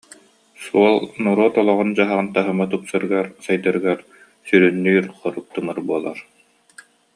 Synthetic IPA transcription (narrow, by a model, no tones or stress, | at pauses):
suɔlˠnuɾɔt̪ɔlˠɔʁɔnd͡ʑaɦaʁɯnt̪aɦɯmat̪upsɯɾɯɡaɾsajd̪aɾɯɡaɾ | syɾynːyːɾχɔɾuk̚t̪ɯmɯɾbuɔlˠa̰ɾ